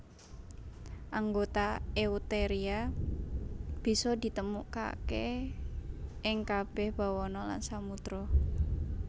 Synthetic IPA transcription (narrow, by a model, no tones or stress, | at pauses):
ʔaŋɡot̪aeut̪eɾia | b̥i̤sɔd̪i̤t̪əmuʔka̰ke | ʔɪŋkab̥ɛhb̥a̤wɔnɔla̰nsamut̪ɾɔ